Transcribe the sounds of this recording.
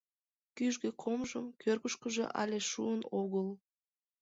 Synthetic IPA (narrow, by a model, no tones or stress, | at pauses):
kʲyʒɡeqʰomʒəmkʲʰøɾkəʃkəʒə̰ʔa̰lʲeʃṵənoɣəlˠ